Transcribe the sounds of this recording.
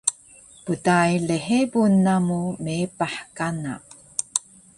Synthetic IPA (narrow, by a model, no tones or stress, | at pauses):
pudajleħebunːamumepaħkana̰